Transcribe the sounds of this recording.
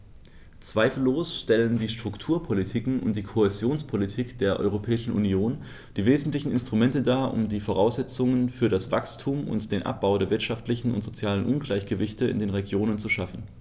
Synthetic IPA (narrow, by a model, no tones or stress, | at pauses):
t͡sv̥aɪfl̩ːoːsʃtɛləndiːʃtʁ̥ʊktʰuːɐpʰolitʰiːkŋ̩ʊ̰nt̚d̥iːkʰohezjoːnspʰolitʰiːkd̥eːɐʔɔ̰ʏʁ̞opʰɛːɪʃn̩ʔṵnjoːn | d̥iːveːzn̩tlɪçn̩ɪnstʁ̥umɛntədaːʔʊ̰mdiːfoʁ̞aʊsz̥ɛt͡sʊŋənfyːɐɾasv̥a̰kstʰuːmʊ̰ntd̥eːnʔa̰p̚b̥aʊdeːɐvɪɐtʃaftlɪçn̩ʊ̰ntz̥ot͡sjaːlənʔʊnɡlaɪçɡ̥əvɪçtəɪ̰ndeːnʁeɡjoːnənt͡suʃafn̩